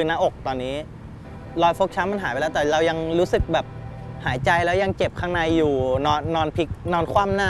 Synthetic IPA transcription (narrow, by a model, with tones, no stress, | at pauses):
kɯː˧naː˦˧˥ʔo˨˩k̚t̪ɔː˧nːiː˦˥ | lɔː˧jfo˦˥k̚t͡ɕʰa˦˥nma˧nɦaː˩˦plːt̪ɛː˨˩ɾa˧wja˧ŋɾuː˦˥sɯ˨˩k̚bɛː˨˩p̚ | haː˩˦jt͡ɕa˧jlɛː˦˥wja˧ŋt͡ɕe˨˩p̚kʰaː˥˩na˧jːuː˨˩nɔː˧nːɔː˧npʰi˦˥k̚nɔː˧nkʰwaː˥˩mnaː˥˩